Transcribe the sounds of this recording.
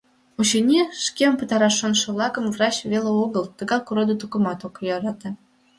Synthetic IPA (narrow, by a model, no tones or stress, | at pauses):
ut͡ɕenʲiʃkempə̆t̪ɑɾɑʃonʃə̆βlɑkə̆mvrɑt͡ɕveleoɣəlt̪ə̆ɣɑkuɾod̪ət̪ukə̆mɑt̪okjɑɾɑt̪ɑ